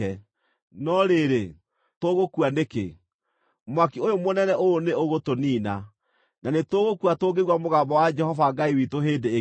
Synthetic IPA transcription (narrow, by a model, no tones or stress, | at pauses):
ɛ | nɔɾeɾe | toɣokuanekḛ | mwakiojomonɛnɛʔooneoɣotoniːna | nanetoɣokuatoɡeɣwamoɣabɔwad͡ʒɛhɔfaŋɡaiwitoɦeːdeː